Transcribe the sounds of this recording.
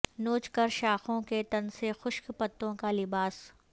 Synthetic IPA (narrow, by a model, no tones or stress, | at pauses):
noːt͡ʃkəɾʃaːxõket̪ɐnsexʊʃkpɐt̪ːõkalɪbaːs